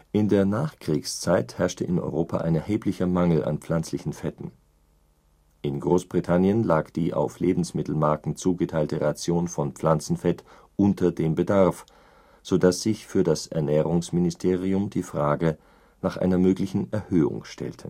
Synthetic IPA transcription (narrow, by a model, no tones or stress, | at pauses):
ʔɪndeːɐnaːχkʁ̥iːkst͡saɪthɛɐʃtəʔɪnʔɔ̰ʏʁoːpʰa̰ʔa̰ɪnɛɐhɦeːplɪçɐmaŋl̩ʔa̰npfl̥ant͡slɪçn̩fɛtn̩ | ʔɪnɡʁoːsb̥ʁitʰanjənlaːkd̥iːʔa̰ʊfleːbm̩smɪtl̩maɐkŋ̩t͡suːɡətʰaɪltəʁat͡sjoːnfɔnpp͡flant͡sn̩fɛt | ʔʊntʰɐdeːmbədaʁf | z̥odasz̥ɪçfyːɐdasɛ̰ɐnɛːʁʊŋsmɪnɪstʰeːʁ̞iʊmdiːfʁ̥aːɡə | naːχʔa̰ɪnɐmøːklɪçn̩ɛɐhøːʊ̰ŋʃtʰɛ̰ltʰə